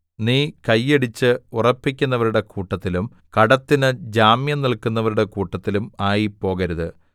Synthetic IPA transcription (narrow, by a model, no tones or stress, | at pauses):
niːkɐjːeɽit͡ɕːɨurɐpːikʲːunːɐʋɐɾuɽe̞kuːʈːɐt̪ːilum | kɐɽɐt̪ːinɨd͡ʑaːmjɐmniɭkunːɐʋɐɾuɽe̞kuːʈːɐt̪ːilumaːjipːo̞ːɣɐɾuðɨ